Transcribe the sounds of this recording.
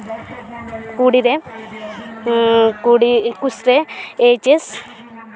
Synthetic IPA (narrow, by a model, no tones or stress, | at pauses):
kuɽiɾe | kuɽikusɾeeːt͡ʃes